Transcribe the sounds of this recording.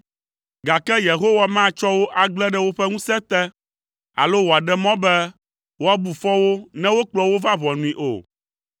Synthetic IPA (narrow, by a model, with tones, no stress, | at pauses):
ɡa˨kɛ˦je˨ɦo˦wa˨mã˦˨t͡ʃɔ˦wo˦ʔa˨ɡ͡blɛ˦ɖɛ˦wo˦ɸɛ˦ŋũ˦sɛ˦t̪ɛ˦ | a̰˨lo˦wo˨a˨ɖɛ˦mɔ̃˦bɛ˦ | wo˦a˨˦bu˨fɔ˦wo˦nɛ̃˦wo˦k͡plɔ˨wo˦va˦βɔ̃˨nũ˨ĩ˨ʔo̰˨